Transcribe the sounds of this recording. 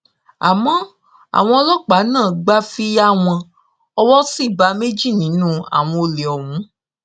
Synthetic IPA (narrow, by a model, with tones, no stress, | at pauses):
a̰˨mɔ̃˨˦ | a̰˨w̃ɔ̃˧ɔ˧lɔ˦k͡pa˨˦nãː˦˨ɡ͡ba˧fi˦ja˦w̃ɔ̃˧ | ɔ˧wɔ˦si˦˨ba˧me˦d͡ʒi˦˨nĩ˨˦nũ˦a̰˨w̃ɔ̃˧o˧le˨ɔ˨wũ˨˦